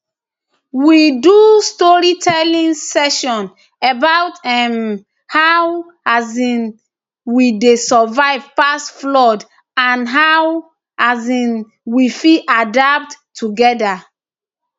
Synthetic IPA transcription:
widustɔɹitʰɛlĩnsɛʃɔ̃n | ebawtɛm | haw | azĩn | widesɔvaɪvpasflɔd | ãnɦaw | azĩn | wifiadap̚tːʰuɡɛda

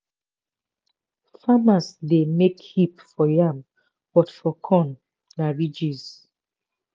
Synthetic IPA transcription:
famasdemekhipfɔjam | b̥ɔtfɔkʰɔ̃nː | aɹid͡ʒiz

